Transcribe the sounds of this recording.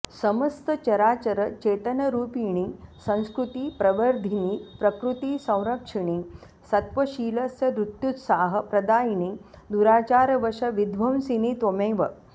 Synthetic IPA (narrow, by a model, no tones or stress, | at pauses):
sɐməst̪ət͡ɕɐɾaːt͡ɕɐɾət͡ɕeːt̪ɐnɐɾuːpiɳ̃iːsɐ̃w̃skɾut̪iːpɾɐʋəɾd̪ʱiniːpɾɐkɾut̪isɐ̃w̃ɾɐkʂiɳ̃iː | sɐt̪ʋɐɕiːlɐsjɐɾɾut̪jut̪saːɦɐ̆pɾɐd̪aːjinid̪uɾaːt͡ʃaːɾʋɐʂɐʋid̪ʱʋɐw̃siniːt̪omeːʋɐ